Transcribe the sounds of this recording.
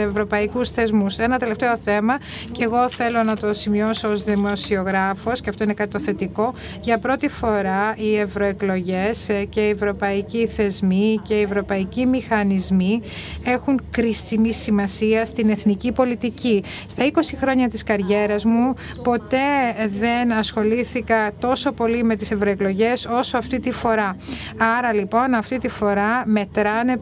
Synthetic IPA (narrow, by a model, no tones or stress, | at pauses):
evɾo̞pɐikusθe̞zmuse̞nɐt̪e̞le̞ft̪e̞o̞θe̞mɐce̞ɣo̞θe̞lo̞nɐt̪o̞simio̞soozðimo̞sio̞ɣɾɐfo̞sceɐft̪o̞ine̞kɐt̪it̪oθe̞t̪iko̞ | ʝɐpɾo̞t̪ifo̞ɾɐie̞vɾo̞e̞klo̞ʝe̞sce̞ievɾo̞pɐiciθe̞zmice̞ievɾo̞pɐicimixɐnizmie̞xuŋkɾist̪inisimɐsiɐst̪ine̞θnicipo̞lit̪ici | st̪ɐiko̞sixɾo̞ɲɐt̪iskɐɾʝe̞ɾɐzmu | po̞t̪e̞ðe̞nɐsxo̞liθikɐt̪o̞so̞po̞lime̞t̪ise̞vɾo̞eklo̞ʝe̞so̞so̞ɐft̪it̪ifo̞ɾɐɐɾɐlipo̞nɐft̪it̪ifo̞ɾɐme̞t̪ɾɐne